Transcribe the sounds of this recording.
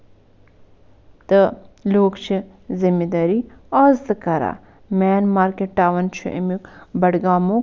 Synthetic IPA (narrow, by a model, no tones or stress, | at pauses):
t̪əloːkt͡ʃʰi | zimed̪aːɾiaːzt̪ɨkɐɾa̰ | mɛːnmaːɾkeʈʈaːʋɐnt͡ʃʰṵʔḭmukbɐɽɡaːmõ